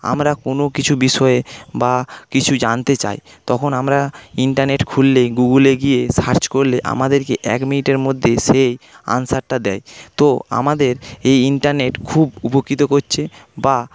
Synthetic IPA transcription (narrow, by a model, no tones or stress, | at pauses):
a̰mɾakonokit͡ɕʰubiʃɔebakit͡ɕʰud͡ʑant̪et͡ɕa̰j | t̪ɔkʰonamɾaiɳʈaɾneʈkʰulːeɡuɡuleɡijesaɾt͡ɕkoɾleʔa̰mad̪eɾkeʔɛ̰kminiʈeɾmod̪ʱːeʃeja̰nsaɾʈad̪ɛ̰jt̪oa̰mad̪eɾejiɳʈaɾneʈkʰubupokːit̪okoɾt͡ɕʰeba